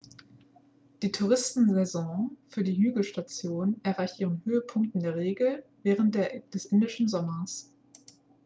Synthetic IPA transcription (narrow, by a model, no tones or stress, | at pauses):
d̥iːtʰuʁ̞ɪstn̩zɛzɔ̃fyːɐdiːɦyːɡl̩ʃtat͡sjoːnɛɐʁaɪçtʔiːʁənhøːəpʰʊŋk̚tɪndeːɐʁeːɡl̩vɛːʁ̞ənt̚d̥d̥ɛsʔɪndɪʃn̩zɔmɐs